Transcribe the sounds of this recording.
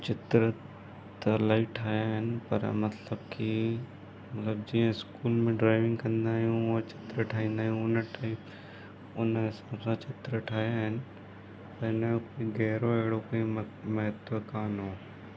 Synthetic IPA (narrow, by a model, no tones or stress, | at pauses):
t͡ʃɪt̪ɾə | t̪ɐlaːiʈʰaːjaɦɪnɪ̆pɐ̰ɾmɐt̪ləbki | mɐt̪ləbd͡ʒiːãɪskuːlmẽɖɾaːɪʋɪ̃ŋɡkɐ̃nd̪aːɦijũoːt͡ʃɪ̥t̪ɾəʈʰaːĩːnd̪aːɦjũʊnʈaːip | ʊnesãːbsãt͡ʃɪt̪ɾəʈʰaːjaɦɪnɪ̆ | t̪ɐɪnkoːiɡɛːɾoeːɽokoːi | mɛɦt̪ʋəkaːnɦoː